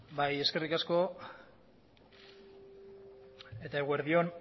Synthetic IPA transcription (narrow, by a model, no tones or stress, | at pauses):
baje̞ske̞rikasko̞ | e̞t̪ae̞ɣueɾðio̞n